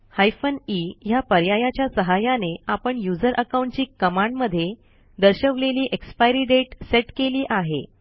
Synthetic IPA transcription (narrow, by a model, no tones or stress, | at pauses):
hajfənijapəɾjajat͡ɕjasəɦajaneapəɳjud͡zəɾʔəkaw̃ɳʈt͡ɕiːkəmãɳɖməd̪ʱːje | d̪əɾɕəʋleliːʔekspajɾiːɖeʈseʈkeliːʔaɦḛ